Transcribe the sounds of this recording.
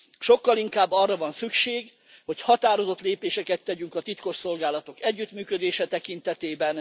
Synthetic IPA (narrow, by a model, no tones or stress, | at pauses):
ʃo̞kːɒliŋkaːbːɒrːɒvɒnsykʃeːɡ | ho̞chɒt̪aːɾo̞zo̞t̪leːpeːʃɛkɛt̪ːɛɟyŋkɒt̪it̪ko̞ʃso̞lɡaːlɒt̪okɛɟːyt̪myːkød̪eːʃɛt̪ɛkint̪ɛt̪eːbɛn